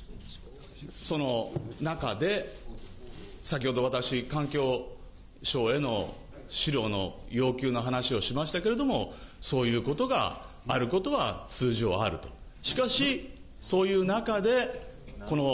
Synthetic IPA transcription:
so̞no̞nakad̪e̞ | sakʲiho̞d̪o̞βat̪akɕikãŋkʲo̞ː | ɕo̞ːe̞no̞̰ | ɕiɾo̞ːno̞̰jo̞ːkʲɨːno̞ɦanaɕio̞ɕimaɕi̥t̪ake̞ɾe̞d̪o̞mo̞so̞ːjɯ̟ːko̞t̪o̞ɡa̰ː | ɾɯ̟ko̞t̪o̞βat͡sɨːʑio̞̰a̰ɾɯ̟t̪o̞̥ | ɕi̥kaɕi | so̞ːjɯ̟ːnakad̪e̞ | ko̞no̞

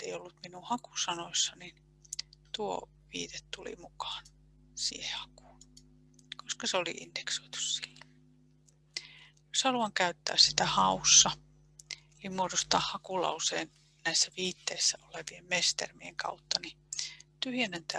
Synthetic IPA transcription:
t̪ːeiolːut̪minuhɑkusɑnosːɑnin | t̪uo̰ | ʋḭːt̪et̪t̪ulḭmukɑ̥ːn | sḭːhehɑ̥ku̥ːn | koskɑseolḭʔḭnd̪eksoit̪u̥ssilːo | joshɑluɑŋkæyt̪ːæ̰ːssi̥t̪æhɑusːɑ | elimuodost̪ɑːhhɑkulɑ̰useːn | næisːæʋiːt̪ːeisːæoleʋiemmest̪ḛrmiḛŋkɑ̰ut̪ːɑnit̪yhjænent̪æ

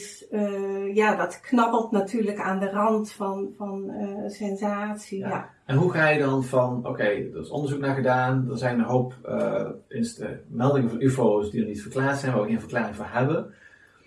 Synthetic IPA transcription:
s | jaːdɑtknɑpəlˠtnatʰyːɹləkaːndərɑntfɑnfɑnəsɛnzaːtsia | ɛnɦuχaːjədɑnvɑno̰kejdərɪso̰ndəɹzuknaːɹχədaːndɔnzɛjnənɦowpə̰ɪnsdə̰mɛlˠdɪŋəvɑnifosdidərnitfərklaːɹtsɛjnʋaəxenvərklaːrɪŋvoːɦɛbən

